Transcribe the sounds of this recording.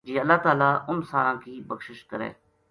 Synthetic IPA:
d͡ʒiːəlːaːt̪aːlaːʊnsaːɾãːkiːbəkʃɪʃkəɾɛ̰ː

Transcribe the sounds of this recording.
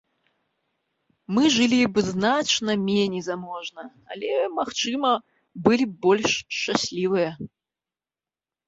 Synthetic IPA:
mɨʐɨlʲibɨznat͡ʂnɐmʲenʲejzamɔʐnɐ | a̰lʲɛmaxt͡ʂɨmɐ | bɨlʲibɔlʲʂt͡ʂasʲlʲivɨjɐ

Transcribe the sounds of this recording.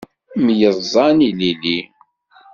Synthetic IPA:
mjəzˤːɑnilili

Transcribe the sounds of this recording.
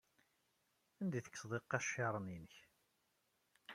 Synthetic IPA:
ænd̪iθə̥kːsˤðˤeqːæʃɑɾˤəninəç

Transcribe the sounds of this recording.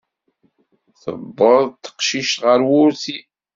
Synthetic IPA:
θə̰bːəðˤt̪ːə̥qʃiʃt̪ʁəɾwʊɾθi

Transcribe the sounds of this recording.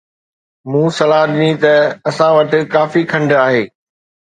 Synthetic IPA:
mũːsɐlaːɦɗɪnĩt̪ɐɐsãʋɐʈɪ̆kaːfikʰɐ̃ɳɖʱaːɦeː

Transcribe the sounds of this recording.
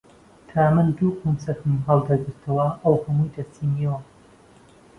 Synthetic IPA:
t̪ʰaːmɨnd̪uːqumsɐt̪ɨniɦɑlˠd̪ɐɡɨɾt̪ʰɐwɐʔɐwhɐmujd̪ɐst̪ʰiːnijɐwɐ

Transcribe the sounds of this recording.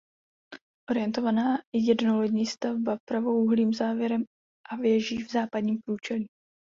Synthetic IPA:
ʔo̞ɾɪjɛnt̪o̞vanaːɪjɛdnolɛɟɲiːst̪avbapɾavowʔuɦliːmzaːvjɛɾɛm | ʔavjɛʒiːvzaːpadɲiːmpɾuːt͡ʃɛliː

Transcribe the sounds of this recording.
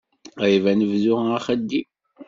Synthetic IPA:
ivænəvðʊæχəd̪ːi

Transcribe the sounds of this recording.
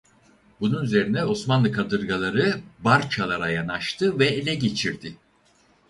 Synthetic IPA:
bununyze̞ɾinɛo̞smanlˠɯkad̪ɯɾɡalˠaɾɯbaɾt͡ʃʰalˠaɾajanaʃt̪ʰɯvɛelʲɛɟe̞t͡ʃʰiɾd̪ɪ

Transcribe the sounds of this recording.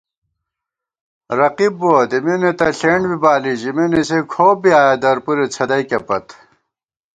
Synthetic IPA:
ɾɐqibːoːd̪eminet̪ɐɬeːɳɖbibaːliʑiminisekʰoːbiaːjɐd̪ɐɾpuɾet͡sʰɐd̪ɐjkɐpɐt̪

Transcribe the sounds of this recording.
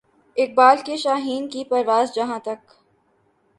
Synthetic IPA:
ɪk̚baːlkeʃaːɦiːnkipɐɾʋaːzd͡ʒɐɦãt̪ɐk

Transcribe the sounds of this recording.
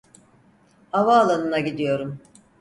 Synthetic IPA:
havaːlˠanɯnaɟid̪ijo̞ɾum

